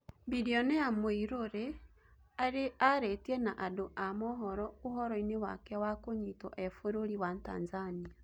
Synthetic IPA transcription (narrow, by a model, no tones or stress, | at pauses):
bideonejamoiɾoɾe | aɾeaɾetienaʔadoʔamoɦɔɾɔuɦɔɾɔinewa̰kɛwakoɲitɔ̰ʔɛfoɾoɾiwanta̰ːnzania